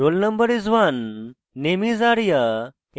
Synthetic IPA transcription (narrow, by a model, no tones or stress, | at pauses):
ɾoːlnɐmbəɾizʋanː | emizaːɽja